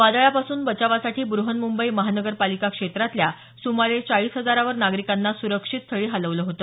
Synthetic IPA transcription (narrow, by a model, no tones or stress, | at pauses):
ʋad̪ɭjapasuːnbət͡ɕaʋasaʈiːbɾuɦənmumbəiməɦanəɡəɾpalikakʂet̪ɾat̪lja | sumaɭet͡saɭiːsɦəd͡zaɾaʋəɾnaɡɾikanːasuɾəkʂit̪̚t̪ʰəɭiːɦaləʋləɦot̪ə